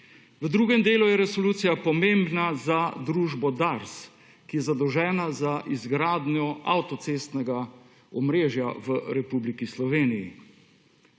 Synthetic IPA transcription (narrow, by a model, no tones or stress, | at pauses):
ʋəd̪ɾuːɡɛmd̪eːlujɛɾɛsɔluːt̪sijapɔmembnazad̪ɾuːʒbɔd̪aɾs | kijɛzad̪ɔwʒɛːnazaʔizɡɾaːd̪njɔa̰wt̪ɔt̪seːst̪nɛɡa | ɔmɾeːʒjaʋəɾɛpublikislɔʋeːnijḭ